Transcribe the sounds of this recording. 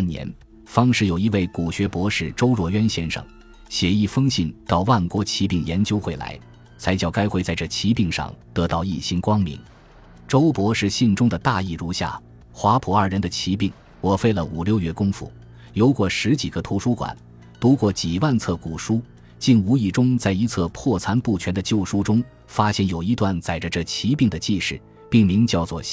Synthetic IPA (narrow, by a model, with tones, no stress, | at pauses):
njɛ̰˧˥n | fɑ˥ŋʂɻ̩˥˩jo˨˩ʊi˧˥we˥˩ɪku˨˩ɕɥɛ˧˥pwɔ˧˥ʂɻ̩˥˩ʈ͡ʂo˥ʊɻwɔ˧˥ɥɛ˥nɕjɛ˥nʂɤ̰˥˩ŋ | ɕjɛ˧˥i˥˩fɤ˥ŋɕi˥˩nt̪ɑ˥˧ʊwa˥˩nkwɔ˧˥t͡ɕʰi˧˥pi˥˩ŋjɛ˧˥nt͡ɕjo˥ʊxwe˥˩ɪla̰˧˥ɪ | t͡sʰa˧˥ɪt͡ɕjɑ˨˩ʊka˥ɪxwe˥˧ɪt͡sa˥˧ɪʈ͡ʂɤ˥˩t͡ɕʰi˧˥pi˥˧ŋʂɑ̰˥˧ŋt̪ɤ˧˥t̪ɑ˥˧ʊi˥˩ɕi˥nkwɑ˥ŋmḭ˧˥ŋ | ʈ͡ʂo˥ʊpwɔ˧˥ʂɻ̩˥˧ɕi˥˩nʈ͡ʂʊ˥ŋd̪ə˨t̪a˥˧i˥˧ɻu˥˧ɕja̰˥˩ | xwa˧˥pʰu˨˥ə˞˩ɻə˧˥nd̪ə˧t͡ɕʰi˧˥pi˥˩ŋ | wɔ˨˩fe˥ɪlə˨u˨˩ljo˥˧ʊɥɛ˧˥kʊ˥ŋfṵ˨˩ | jo˧˥ʊkwɔ˥˩ʂɻ̩˧˥t͡ɕi˨˩ɡ̥ə˦t̪ʰu˧˥ʂu˥kwa̰˨˩˦n | pu˧˥kwɔ˥˩t͡ɕi˨˩wa˥˧nt͡sʰɤ˥˩ku˨˩ʂu˥ | t͡ɕi˥˩nu˧˥i˨˩ʈ͡ʂʊ˥ŋt͡sa˥˩ɪi˧˥t͡sʰɤ˥˧pʰwɔ˥˩t͡sʰa˥npu˥˩t͡ɕʰɥɛ˧˥nd̪ə˧t͡ɕjo˥˩ʊʂu˥ʈ͡ʂʊ˥ŋ | fa˥ɕjɛ˥˩njo˨˩ʊi˧˥t̪wa˥˩nt͡sa˨˩ɪʈ͡ʂə˧ʈ͡ʂɤ˥˩t͡ɕʰi˧˥pi˥˩ŋd̪ə˩t͡ɕi˥˧ʂɻ̩˥˩ | pi˥˩ŋmi˧˥ŋt͡ɕjɑ˥˧ʊt͡swɔ˥˩